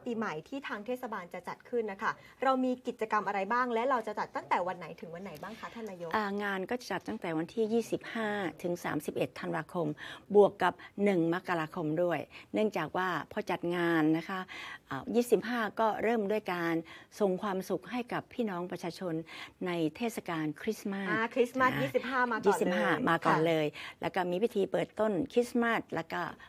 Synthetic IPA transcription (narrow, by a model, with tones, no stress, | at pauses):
piː˧ma˨˩jt̪ʰiː˥˩t̪ʰaː˧ŋt̪ʰe˥˩sa˧baː˧nt͡ɕa˨˩t͡ɕa˨˩t̪̚kʰɯ˥˩nːa˦˥kʰa˥˩ | ɾa˧wmiː˧ki˨˩t̪̚t͡ɕa˧ka˧mʔa˧ɾa˧jbaː˥˩ŋlɛ˦˥wɾa˧wt͡ɕa˨˩t͡ɕa˨˩t̪ːa˥˩ŋt̪ɛː˨˩wa˧nːa˩˦jt̪ʰɯ˨˩˦ŋwa˧nːa˨˩˦jbaː˥˩ŋkʰa˦˥t̪ʰa˥˩nːaː˧˥jo˦˥ʔaː˨˩ŋaː˧nkɔː˥˩t͡ɕa˨˩t͡ɕa˨˩t̪ːa˥˩ŋt̪ɛː˨˩wa˧nt̪ʰiː˥˩jiː˥˩si˨˩p̚haː˥˩t̪ʰɯ˩˦ŋsa̰ː˩˦msi˨˩p̚ʔe˨˩t̪ʰːa˧nwaː˧kʰo˧mbu˨˩əkːa˨˩p̚nɯ˨˩ŋma˦˥kːa˧ɾaː˧kʰo˧mdu˥˩əjnɯ˥˩əŋt͡ɕaː˨˩k̚waː˥˩pʰɔː˧t͡ɕa˨˩t̪̚ŋaː˧nːa˦˥kʰa˦˥ʔʔːjiː˥˩si˨˩p̚ɦaː˥˩kɔː˥˩ɾɤː˥˩mdu˥˩əjkaː˧nso˨˩ŋkʰwaː˧msu˨˩k̚ɦa˥˩jka˨˩pʰːiː˥˩nɔː˦˥ŋpɾa˧t͡ɕʰaː˧t͡ɕʰo˧nːa˧jt̪ʰeː˥˩t̪̚sa˧˩kaː˧nkʰɾi˦˥sma˥kʰi˦˥sma˦˥iː˥˩si˨˩p̚haː˥a˧jiː˥˨si˨˩p̚ɦaː˥˩maː˧kɔː˧˨˩nlɤː˧jlɛ̰˦˥kɔː˥˩miː˧wi˦˥˩t̪ʰiː˧pɤː˨˩t̪ːo˥˩nkʰɾi˦˥sma˥˩t̪̚lɛ̰˦˥kɔ˥˩